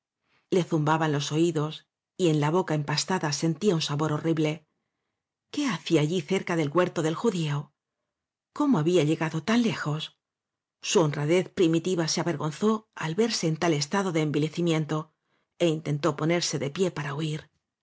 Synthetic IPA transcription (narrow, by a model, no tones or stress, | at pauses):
le̞θumbaβanlo̞so̞iðo̞s | ie̞nlaβo̞kaempast̪aðase̞nt̪iaunsaβo̞ɾo̞riβle̞ | ke̞aθiaːʎiθe̞ɾkaðe̞lɣwe̞ɾt̪o̞ðe̞lxuðio | ko̞moaβiaʎe̞ɣaðo̞t̪anle̞xo̞sː | uo̞nraðe̞θpɾimit̪iβaseaβe̞ɾɣo̞nθo̞alβe̞ɾse̞ːnt̪ale̞st̪aðo̞ðe̞ːmbile̞θimjẽ̞nt̪o̞ | e̞int̪e̞nt̪o̞po̞ne̞ɾse̞ðe̞pje̞paɾauiɾ